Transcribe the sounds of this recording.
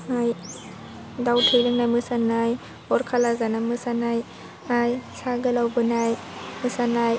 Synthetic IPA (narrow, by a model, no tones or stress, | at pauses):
aj | dawtʰɯjlɯŋnamɯsanaj | ɔɾkʰalazanamɯsanaj | ajsaɡɯlawbɯnaj | mɯsanaj